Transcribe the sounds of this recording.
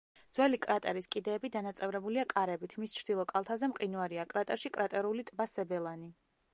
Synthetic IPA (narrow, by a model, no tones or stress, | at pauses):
d̪z̥wɛlikʼɾat̪ʼɛɾiskʼid̪ɛːbid̪anat̪sʼɛvɾɛbuliakʼaɾɛbit̪ʰmist͡ʃʰɾd̪ilˠɔkʼalˠt̪ʰazɛmqʼinuaɾiakʼɾat̪ʼɛɾʃikʼɾat̪ʼɛɾulit̪ʼbasɛbɛlˠani